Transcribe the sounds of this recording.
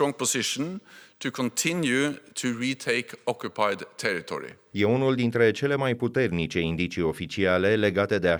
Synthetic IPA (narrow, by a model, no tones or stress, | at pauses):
ɔŋpʰɔsɪʃn̩t̪ʰɨkʰɔnt̪ʰɪ̃njʉt̪ʰɨɹiːt̪ʰeɪkɔkjʊpʰaɪd̪t̪ʰɛɹɪt̪ʰɔ̰ɹɪ̰ | je̞unuld̪int̪ɾe̞t͡ʃe̞le̞majput̪e̞rnit͡ʃe̞ind̪it͡ʃio̞fit͡ʃiale̞le̞ɡat̪e̞d̪e̞a